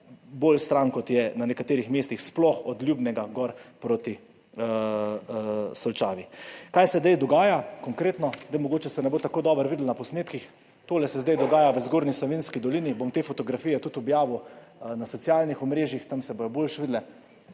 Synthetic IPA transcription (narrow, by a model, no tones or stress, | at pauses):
boːlst̪ɾankɔt̪jɛnanɛkat̪eːɾixmeːst̪ixsplɔxɔd̪lʲjuːbnɛɡaɡɔɾpɾoːt̪i | sɔlt͡ʃaːʋikajsɛzd̪ajd̪ɔɡaːjakɔŋkɾeːt̪nɔzd̪ajmɔɡoːt͡ʃɛsɛnɛboːt̪akoːd̪ɔːbəɾʋiːd̪lnapɔsneːt̪kix | t̪oːlɛsɛzd̪ajd̪ɔɡaːjaʋəzɡoɾnisoʋinskid̪ɔlinibomt̪eːfɔt̪ɔɡɾafiːjɛt̪ut̪ɔbjaːʋunasɔtsjalnixɔmɾeːʒjixt̪amsɛbojɔboːlʃʋid̪lɛ